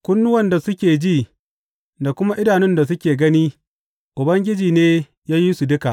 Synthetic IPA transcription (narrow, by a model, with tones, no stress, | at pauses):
kʷʊ˦nːʊ˦wɐ˨nda˨sʊ˦kʲeː˨d͡ʒiː˦˨ | da˨kʷʊ˦ma˦ʔɪ˦daː˨nɪ˦nda˨sʊ˦kʲeː˨ɡɐ˦niː˦ | ʔʊ˨bɐ˦ŋɡʲɪ˦d͡ʒiː˨neː˦ | jaː˦ji˦su˨dʊ˦ka˨ʔ